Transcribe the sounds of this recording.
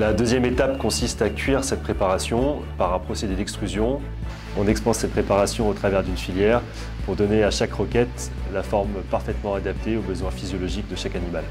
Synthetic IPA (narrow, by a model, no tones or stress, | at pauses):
lad̪øzjɛmet̪apkɔ̃sist̪akʲɥiʁsɛt̪̚pχepaʁasjɔ̃ | paʁɛ̃pχɔsed̪ed̪ɛkst̪χyzjɔ̃ | ɔ̃nɛkspɑ̃sːɛt̪̚pχepaʁasjɔ̃ot̪χavɛʁd̪ynfiljɛʁ | puʁd̪ɔneaʃakʁəkʲɛt̪ | lafɔʁmpaʁfɛt̪mɑ̃ad̪ap̚t̪eobəzwɛ̃fizjɔlɔʒikd̪əʃakanimal